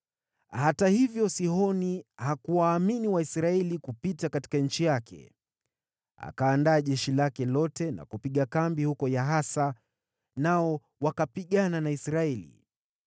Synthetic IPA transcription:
hatahivjɔsihɔnihakuwaːminiwaisɾaɛlikupitakati̥kaɲ̩t͡ʃijakʰɛ̰ | a̰kaːndaːʄɛʃilakɛlɔtɛna̰kupiɠakambihukɔjaɦasa | naɔ | wakapiɠananaisɾaɛlḭ

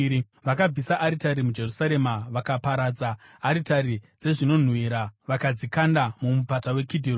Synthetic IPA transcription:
i | ʋakab͡visaʔaɾitaɾimud͡ʒe̞rusaɾe̞maʋakapaɾad͡zaː | ɾitaɾid͡ze̞ʐino̞n̤wiɾaʋakad͡zikandamumupatawe̞kidʱiro

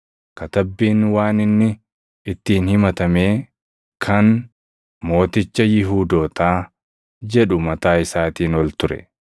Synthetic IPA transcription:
kɐt̪ɐbːiːnwaːnɪnːɪ | ɪt̪ːiːnhɪmɐt̪ɐme̞ː | kʰɐn | mo̞ːt̪ɪt͡ʃːɐjɪɦuːd̪o̞ːt̪aː | d͡ʒɛᶑʊmɐt̪aːɪsaːt̪iːnɔlt̪ʊɾɛ̰

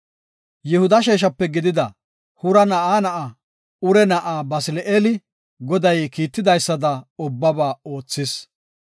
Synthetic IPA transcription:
jɛhʊd̪ɐʃ̬eːʃ̬ɐpːɛɡɪd̪ɪd̪ɐ | hʊɾɐnɐʔaːnɐʔɐ | ʊɾɛnɐʔaːbɐsɪlʔeːlɪ | ɡɔd̪ɐjkiːt̪ːɪd̪ɐjsːɐd̪ɐʊbːɐbaːo̞ːt͡sːɪs

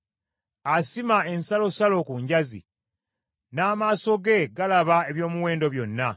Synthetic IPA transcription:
asimae̞nsalo̞salo̞kuɲɟazḭ | naːmaːso̞ɡe̞ɡalaβae̞βjo̞ːmuweːndo̞βjo̞nːa

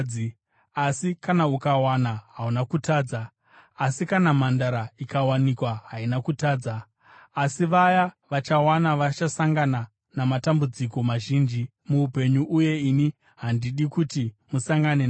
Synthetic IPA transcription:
asikanaukawanaɦaunakutaːd͡zaː | sikanamandaɾaikawanikwaɦainakutaːd͡zaː | siʋajaʋat͡ʃawanaʋat͡ʃasaŋɡana | namatambud͡ziko̞maʒiːnd͡ʒi | muupe̞ɲuʔuje̞ini | ɦandiɗikutimusaŋɡanen

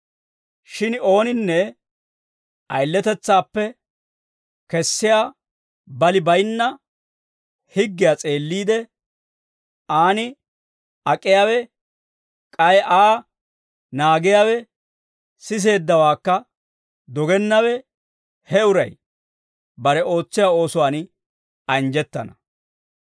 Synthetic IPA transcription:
ʃɪno̞ːnɪnːɛ | ʔɐjlːɛt̪ɛt͡sːaːpːɛ | kɛsːɪjaː | bɐlɪbɐjnːɐ | hɪɡːɪjaːt͡sʼe̞ːlːiːd̪ɛ | aːnɪ | ɐkʼːɪjaːwɛ | kʼɐjʔaː | naːɡɪjaːwɛ | sɪs̬e̞ːd̪ːɐwaːkːɐ | d̪ɔɡɛnːɐwɛ | hɛʊɾɐ̰j | bɐɾɛo̞ːt͡sːɪjaːo̞ːsʊwaːnɪ | ɐnd͡ʒɛt̪ːɐnɐ

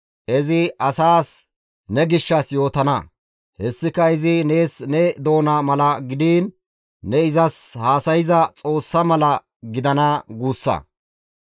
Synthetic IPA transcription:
ʔɛzɪʔɐsaːs | nɛɡɪʃːɐsjo̞ːt̪ɐnɐ̰ | hɛsːɪkɐɪzɪne̞ːsnɛd̪o̞ːnɐmɐlɐɡɪd̪iːnː | ɛɪzɐshaːsɐjɪzɐt͡sʼo̞ːsːɐmɐlɐ | ɡɪd̪ɐnɐɡuːsːɐ̰

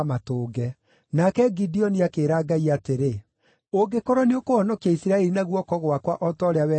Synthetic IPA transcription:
matoːɡɛ | nakɛɡidiɔniakeːɾaːɡaiateɾe | oɡekoɾɔneokoɔnɔkjaisiɾaɛɾinaɣwɔkɔɣowakwaʔɔtɔɾeawɛ

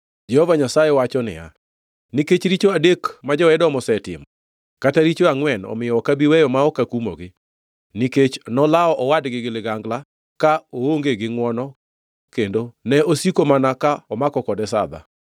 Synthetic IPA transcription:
d͡ʒɛhovaɲasajɛwat͡ʃɔnɪ̰ja̰ | niket͡ʃɾit͡ʃoadekmad͡ʒɔɛdɔmɔsɛtɪ̰mɔ | kataɾit͡ʃoaŋwɛnɔ̰mɪjɔɔkabiwɛjɔmaɔkakumo̰ɡɪ | niket͡ʃnɔlaɔʔɔwadɡɪɡɪlɪɡaŋɡla | kaooŋɡeɡɪŋwɔnɔ | kendonɛosikomanakaɔmakɔkɔdɛsa̰d̪a̰

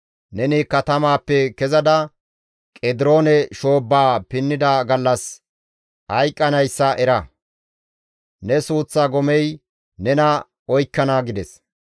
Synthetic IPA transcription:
nɛnɪkɐt̪ɐmaːpːɛkɛzɐd̪ɐ | kʼɛd̪ɪɾo̞ːnɛʃo̞ːbːaːpɪnːɪd̪ɐɡɐlːɐs | hɐjkʼːɐnɐjsːɐʔɛɾɐ | nɛsuːt͡sːaɡɔmɛj | nɛnɐ | ɔjkːɐnaɡɪd̪ɛs

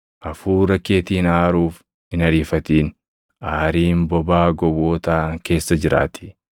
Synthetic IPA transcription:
ʔɐfuːɾɐkːe̞ːt̪iːnaːɾuːf | ɪnɐɾiːfɐt̪iːn | ʔaːɾiːmbɔbaːɡɔwoːt̪aːke̞ːsːɐd͡ʒɪɾa̰ːt̪ʰɪ̥

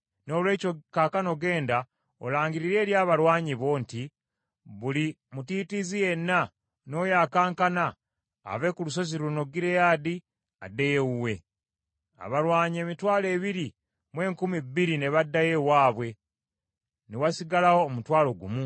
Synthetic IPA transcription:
no̞lwe̞ːco̞kakano̞ɡe̞ːnda | olaːŋɡiɾiɾe̞ːljaːβalwaːɲiβo̞nti | βuli | mutitizije̞nːa | no̞ːjaːkaːŋkana̰ː | βe̞kulus̬o̞ziɾuno̞ɡiɾe̞jaːdi | a̰dːe̞jeuwe̞ | a̰βalwaːɲe̞mitwaːle̞ːβiɾi | mwe̞ːŋkumibːiɾine̞βadːaje̞waːβwe̞ | newasiɡalawo̞ːmutwaːlo̞ɡṵmu

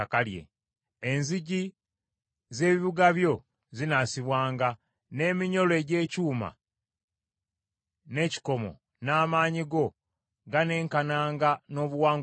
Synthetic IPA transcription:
akaljḛ | enziɟi | ze̞ːβiβuɡaβjo̞ | zinasiβwaːŋɡa | ne̞ːmiɲo̞loe̞ɟe̞ːcuːma̰ | ne̞ci̥ko̞mo̞̰ | naːmaːɲiɡo̞ | ɡane̞ːŋkanaːŋɡano̞ːβuwaːŋ

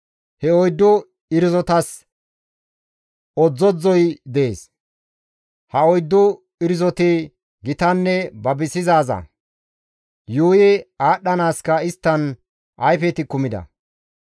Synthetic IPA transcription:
hɛɔjd̪ːʊ | ɪɾɪzɔt̪ɐs | ɔd͡zːɔd͡zɔjd̪ɛḛːs | hɐɔjd̪ːʊ | ɪɾɪzɔt̪ɪ | ɡɪt̪ɐnːɛbɐbɪsɪzaːzɐ̰ | juːjɛaːɗːɐnaːskɐɪst̪ːɐn | ʔɐjfɛt̪ɪkʊmɪd̪ɐ̰

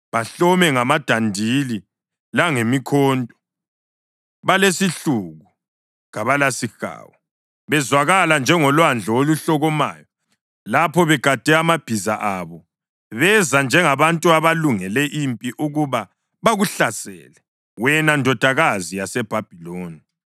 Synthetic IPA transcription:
βaɬɔmɛŋamad̥ʱandʱili | laŋemikʰɔːndʼɔ̥ | βalesiɬuɣu | ŋaβalasixa̰ːwɔ | βɛzwaɣaland͡ʒʱɛŋɔlwand͡ɮʱɔoluɬɔɣɔma̰ːjɔ | lapʰɔβɛɡ̥ʱad̥ʱɛamab̥ʱizaʔaβɔ | βɛzand͡ʒʱɛŋaβantʼuaβaluŋɛlɛʔimpʼiʔuɣuβa | βaɣuɬasɛ̰lɛ | wɛnandʱɔd̥ʱaɣazijasɛb̥ʱab̥ʱiloːni

